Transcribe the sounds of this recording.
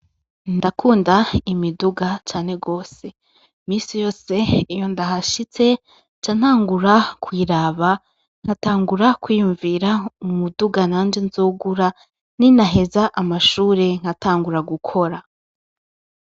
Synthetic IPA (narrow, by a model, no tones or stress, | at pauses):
ndakʰuːndaimiduɡat͡ʃaːne̞ɡo̞ːse̞ | miːsijo̞ːse̞ijo̞ndaɦaʃit͡se̞ | t͡ʃan̥haːŋɡuɾakwiːɾaβa | ŋ̥hataːŋɡuɾakwiːjuɱviːɾaumuduɡanaːnd͡ʒenzuːɡuɾa | ninaɦe̞zaʔamaʃuːɾe̞ŋ̥hataːŋɡuɾaɡukʰo̞ɾa